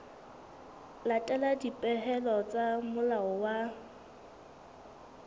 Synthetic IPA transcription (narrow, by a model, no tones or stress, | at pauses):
latʼɛladipʼɛɦɛlɔt͡sʼamʊlaɔwa